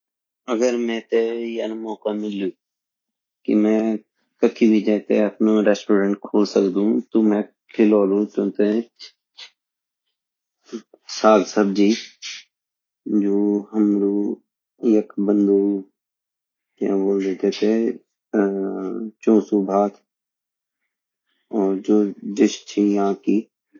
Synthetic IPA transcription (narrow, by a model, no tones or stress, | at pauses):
əɡəɾmɛ̃t̪ejənmɔːkamɪlːuː | kḭmɛ̃ː | kəkʰibʱid͡ʒɛːt̪eɐpnõɾɛːsʈoːɾẽɳʈkʰoːlsəkd̪ũt̪omɛ̃ | kʰɪloːlũt͡ʃõːt̪e | saːd̪səb̚d͡ʒiː | d͡ʒoːɦəmɾu | jəkbə̃nd̪u | kãboːld̪eːt̪et̪ʰe | t͡ʃõːsubʱaːt̪ | ɔːɾd͡ʒoːd͡ʒ̪ɪʃt͡ʃʰijɐɦãkiː